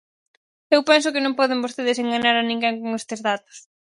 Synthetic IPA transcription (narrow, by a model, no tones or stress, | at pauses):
ewpɛns̬ʊkɪnõŋpɔðeŋbost̪eðɪseŋɡaɲaɾanĩŋɡɛŋkoŋɛst̪ɪzðat̪o̥s